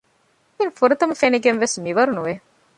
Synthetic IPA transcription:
infuɾət̪əməfeneɡenʋesmiʋɐɾnuʋe

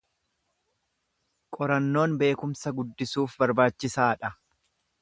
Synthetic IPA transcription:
kʼɔɾɐnːo̞ːnbe̞ːkʊmsɐɡʊd̪ːɪsuːfbɐɾbaːt͡ʃːɪsaːᶑɐ

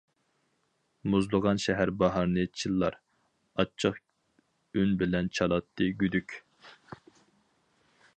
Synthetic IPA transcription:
muzlˠəʁɑnʃɛɦæɾbɑɦɑɾnɨt͡ʃʰilˠːɑ̰ɾ | ɑt͡ʃʰəq | ynbɪlɛnt͡ʃʰɑlˠɑt̪ʰːɨɡʲyd̪ykʲ

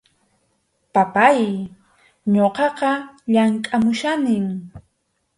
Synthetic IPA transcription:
papaj | ɲoqɑqɑʎaŋkʼamʊʃanɪŋ

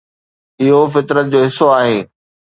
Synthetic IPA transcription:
ɪɦofɪt̪ɾət̪̚d͡ʑoːɦɪsːoaːɦeː

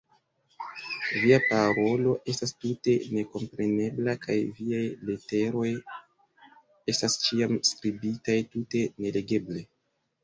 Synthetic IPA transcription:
viapaɾo̞lo̞ʔe̞stastute̞ne̞ko̞mpɾe̞ne̞blakajviajlete̞ɾo̞j | e̞stast͡ʃiamskɾibitajtute̞ne̞le̞ɡe̞ble̞

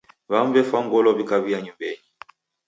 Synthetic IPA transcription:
βamvɛfaŋɡɔlɔβikaβiaɲumbɛɲi

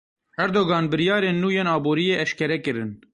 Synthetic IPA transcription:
hɛɾd̪oːɡɑːnbɨɾjɑːɾeːnːuːjeːnɑːboːɾijeːʔɛʃkɛɾɛkɨɾɨn

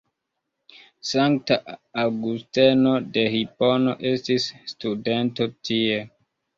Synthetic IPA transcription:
saŋk̚taaɡusteno̞de̞hipono̞ʔe̞stisːtude̞nto̞tʰie

